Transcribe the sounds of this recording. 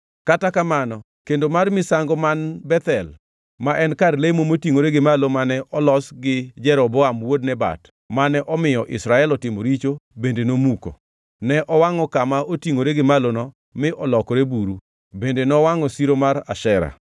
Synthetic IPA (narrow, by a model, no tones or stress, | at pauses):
katakamanɔ | kendomarmɪsaŋɡɔmanbɛt̪ɛl | maʔɛnkarlemomotiŋoɾeɡɪmalomanɛʔɔlɔsɡɪd͡ʒɛɾɔbɔamwod̚nɛba̰t | manɛʔɔmɪjɔʔɪ̰sɾaɛlɔtɪmoɾit͡ʃobendenomuko̰ | nɛʔɔwaŋɔkamaotiŋoɾeɡɪmalonɔ | mɪʔɔlɔkɔɾebuɾu | bendenɔwaŋɔsiɾomaɾaʃɛɾa̰